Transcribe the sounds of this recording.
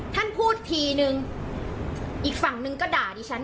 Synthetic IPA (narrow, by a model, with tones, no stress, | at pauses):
t̪ʰa˥˩npʰuː˥˩t̪̚t̪ʰiː˧nɯ˧ŋ | ʔiː˨˩k̚fa˨˩ŋnɯ˧ŋkɔː˥˩daː˨˩diː˧t͡ɕʰa˦˥n